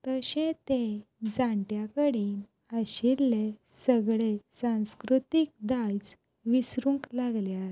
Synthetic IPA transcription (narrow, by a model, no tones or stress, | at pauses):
t̪əɕẽt̪ed͡zaɳʈjakəɽiːn | əɕillːesəɡɭesãw̃skɾut̪ik̚d̪ajt͡s | ʋisɾũŋklaɡlea